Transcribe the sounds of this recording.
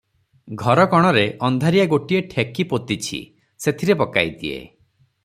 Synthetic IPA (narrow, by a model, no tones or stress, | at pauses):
ɡʱɔɾɔkɔɽ̃ɔɾeʔɔnd̪ʱaɾijaɡoʈieʈʰekipot̪it͡ʃʰḭ | set̪ʰiɾepɔka̰jd̪iḛ